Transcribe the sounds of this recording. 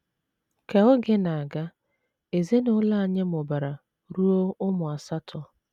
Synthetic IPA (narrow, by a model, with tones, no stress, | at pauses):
ke˨ɔ˦ɡɪ˦na˨a˨ɡa˦ | e˨ze˦nʊ˨˦la˦a˨ɲe˦mʊ˨ba˨ɾa˨ | ɾu˦o˦ʊ˦mʊ˨a˨sa˦tʰɔ˨